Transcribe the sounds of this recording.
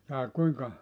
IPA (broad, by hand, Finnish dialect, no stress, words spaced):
jɑː kuiŋkɑ